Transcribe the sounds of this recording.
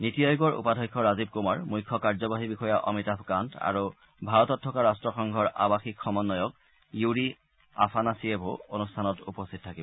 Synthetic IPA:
nitijɔjɡɔɹṵpadʱɔjkʰːɔɹazib̚kumaɹmujkʰːɔkaɹzɔbaɦibixɔjaʔɔmitapʰkanta̰ɹu | bʱaɹɔtɔtʰːɔkaɹastɹɔxɔŋɡʱɔɹʔa̰baxikʰxɔmɔnːɔjɔk̚ | juɹi | a̰pʰanasiebʱoonustʰanɔtupɔstʰitɔtʰakibɔ

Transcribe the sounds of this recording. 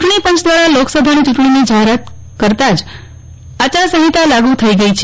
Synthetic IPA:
t͡ʃuʈɳipə̃nt͡ʃd̪ʋaɾaloksəbʱanit͡ʃuʈɳ̃inid͡ʒaɦeɾat̪ | kəɾt̪ad͡ʒ | at͡ʃasəɦit̪alaɡut̪ʰəiɡəit͡ʃʰ

